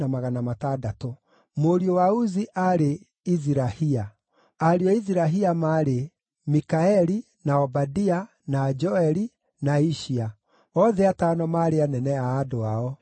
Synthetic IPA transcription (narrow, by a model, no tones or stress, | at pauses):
amaɣanamatadatɔ | moɾiɔwauziʔaɾe | iziɾahia | aɾiɔiziɾaɦiamaɾe | mikaɛɾi | naɔbadia | nad͡ʒɔɛɾi | naiʃia | ɔðɛatanɔmaːɾeanɛnɛaːdoaɔ